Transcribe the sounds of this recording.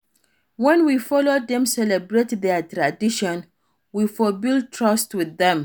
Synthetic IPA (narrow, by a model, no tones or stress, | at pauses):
wɛ̃nwifɔlodɛ̃msɛlɛbɹetðɛtɹadiʃɔ̃n | wifɔbilˠd̚tʰɹɔstwiðɛ̃m